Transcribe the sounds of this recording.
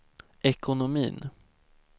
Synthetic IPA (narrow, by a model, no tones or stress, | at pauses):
ʔɛkʰʊnʊmḭːn